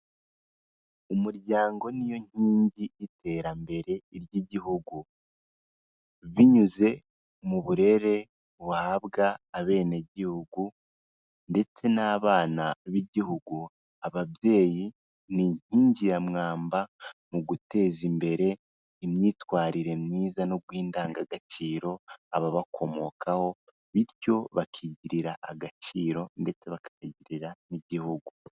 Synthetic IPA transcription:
umuɾɟaːŋɡo̞nijo̞ɲ̥hiːɲɟiːtʰe̞ɾambe̞ɾe̞iɾjiɟiɦuɡu | βiɲuze̞ | muβuɾe̞ɾe̞ | βahaβɡaːβe̞ːne̞ɟihuɡu | nde̞t͡se̞naːβaːnaβiɟiɦuɡu | aβabje̞ːji | niɲ̥iːɲɟiɾamŋaːmbamuɡute̞ːzimbe̞ɾe̞ | imɲiːtwaːɾiɾe̞mɲiːzanoɡwiːndaːŋɡaɡat͡ʃiːɾo̞aβaβakʰo̞mo̞kʰaho̞ | βiɾjo̞βakʰiɟiɾiɾaʔːɡat͡ʃiːɾo̞nde̞t͡se̞βakḁiɟiɾiɾaniɟihuɡu

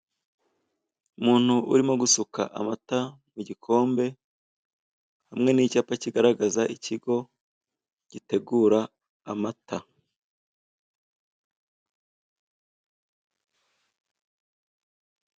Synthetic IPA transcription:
umuːn̥huʔuɾimo̞ɡusuka̰ʔa̰mata | muɟikʰo̞ːmbe̞ | hamŋe̞niːcaːpaciɡaɾaɡazaʔicʰiɡo̞ | ɟ̥ite̞ɡuːɾaː | matʰa

